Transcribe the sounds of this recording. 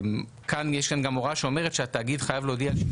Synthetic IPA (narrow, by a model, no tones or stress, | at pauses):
kanjeʃkanɡamoʁaʃeo̞me̞ʁetʃeat̪aːɡid̪χajavleodial